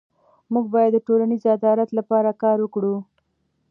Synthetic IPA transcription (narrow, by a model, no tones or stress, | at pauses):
muɡ̚bɑjad̪ːəʈolanizad̪ɑɾat̪lapɑɾakɑɾwəkɽu